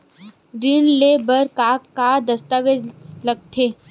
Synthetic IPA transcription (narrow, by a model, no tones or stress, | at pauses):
ɾɪnleːbəɾkakad̪ɐst̪aːʋed͡ʒlɐɡ̚t̪ʰeː